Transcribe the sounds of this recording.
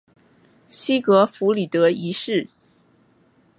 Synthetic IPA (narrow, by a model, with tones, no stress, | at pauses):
ɕi˥kɤ˧˥fu˧˥li˨˩t̪ɤ˧˥i˧˥ʂɻ̩˥˩